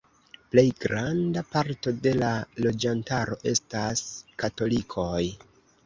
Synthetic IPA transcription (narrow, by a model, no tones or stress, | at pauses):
ple̞jɡɾandapaɾto̞de̞lalo̞d͡ʒantaɾo̞ʔe̞̰staskato̞likʰo̞j